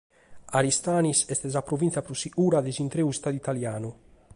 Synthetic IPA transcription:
aɾist̪aːnisɛst̪ɛzapɾovint̪sjapɾosiʔuːɾad̪ezint̪ɾeust̪ad̪it̪aljaːnu

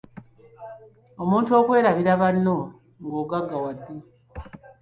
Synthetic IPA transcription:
omuːntuo̞ːkwe̞ːɾaβiɾaβanːo | ŋɡoːɡaɡːawadːi

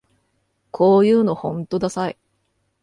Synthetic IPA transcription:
kʰo̞ːjɯ̟ːno̞hõ̞nt̪o̞d̪asai

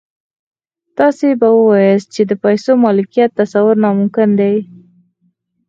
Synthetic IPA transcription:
t̪ɑsebawəwɑjəst̪̚t͡ʃed̪əpajsomɑlɪkijat̪ːasawʊɾnɑmʊmkɪnd̪ej

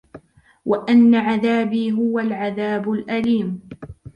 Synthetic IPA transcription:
waʔanːaʕaðaːbiːɦʊwalʕaðaːbʊlʔaliːm

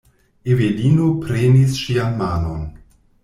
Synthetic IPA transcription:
evedinopɾenisʃianmaːnon

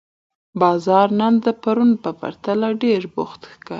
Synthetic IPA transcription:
bɑzɑɾnand̪əpaɾunpəpa̰ɾt̪alaɖeɾbʊxt̪xkə

